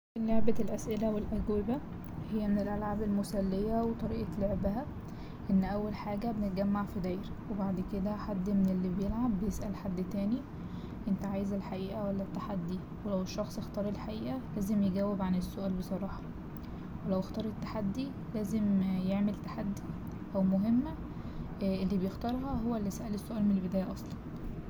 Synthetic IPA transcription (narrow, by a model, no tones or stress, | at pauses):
ʔelːoʕbælʔæsʔelæwelʔæɡwebæ | hejːæmenelʔælʕabelmosælːejæwet̪ˤɑɾiːʔɑloʕbæhæ | ʔenːʔæwːælħaːɡæbenet̪̚ɡæmːaʕfid̪æjɾwebaʕd̪ked̪æħad̪ːmenelːibejelʕabːejesʔælħad̪ːt̪æːni | ʔent̪æʕaːjezelħaʔiːʔæwælːæt̪ːaħad̪ːi | welæweʃːɑxsˤext̪ɑːɾˤelħaʔiːʔælæːzemjeɡæwːebʕanesːoʔæːlbesˤɑɾˤɑːħɑ | welæwext̪ɑːɾˤet̪ːḁħad̪ːi | læːzemjeʕmelt̪ḁħad̪ːi | ʔæwmoɦemːæ | ʔelːiːbejext̪ɑːɾˤɦɑɦowːælːisæʔælesːoʔæːlmenelbed̪æːjæʔɑsˤlɑn